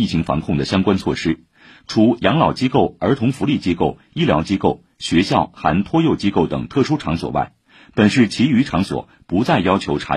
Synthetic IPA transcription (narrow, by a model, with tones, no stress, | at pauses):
i˥˩t͡ɕʰi˧˥ŋfɑ̰˧˥ŋkʰʊ˥˩ŋd̪ə˩ɕjɑ˥ŋkwa˥nt͡sʰwɔ̰˥˩ʂɻ̩˥ | ʈ͡ʂʰu˧˥jɑ˧˥ŋlɑ˨˩ʊt͡ɕi˥ko˥˩ʊə˞˧˥t̪ʰʊ˧˥ŋfu˧˥li˥˩t͡ɕi˥ko˥˩ʊ | i˥ljɑ˧˥ʊt͡ɕi˥ko˥˩ʊ | ɕɥɛ˧˥ɕjɑ˥˩ʊxa̰˧˥nt̪ʰwɔ˥jo˥˩ʊt͡ɕi˥ko˥˩ʊt̪ɤ̰˨˩ŋt̪ʰɤ˥˩ʂu˥ʈ͡ʂʰɑ˧˥ŋswɔ̰˨˩wa̰˥˩ɪ | pə˨˩nʂɻ̩˥˩t͡ɕʰi˧˥y˧˥ʈ͡ʂʰɑ˧˥ŋswɔ̰˨˩ | pu˧˥t͡sa˥˩ɪjɑ˥ʊt͡ɕʰjo˧˥ʊʈ͡ʂʰa̰˧˥